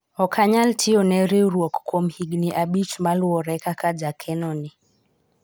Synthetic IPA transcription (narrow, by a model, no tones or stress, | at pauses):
ɔkʰaɲaltʰiɔnɛɾiɾuaku̥kʰɔm̩hiɡniʔaɓit͡ʃumaluɔɾɛkakad͡ʒakʰɛnɔni